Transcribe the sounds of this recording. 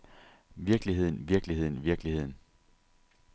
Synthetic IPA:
ʋiɐɡ̥liɦe̝ð̞̰ˠn̩ʋiɐɡ̥lihe̝ð̞̰ˠn̩ʋiɐɡ̥lihe̝ð̰ˠn̩

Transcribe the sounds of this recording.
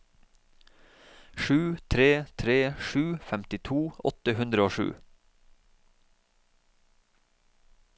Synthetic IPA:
ʃʉːt̪ʰɾeːt̪ʰɾeːʃʉːfɛmt̪ɪt̪ʰuːʔɔ̰t̪əhʉnd̪ɾəoːʃʉ̰ː

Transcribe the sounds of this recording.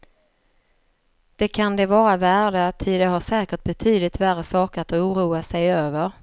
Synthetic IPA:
d̪̥ɛkʰand̪ɛvɑːɾavæːɖət̪ʰɪd̪ɛɦaʂɛːkəʈ̚bɛt̪ʰyːd̪lɪt̪værːəsɑːkəat̪uːɾuːasɛjøːvəɾ

